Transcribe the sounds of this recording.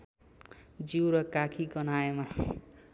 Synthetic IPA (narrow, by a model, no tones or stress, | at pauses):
d͡ziwɾʌkakʰiɡʌnaema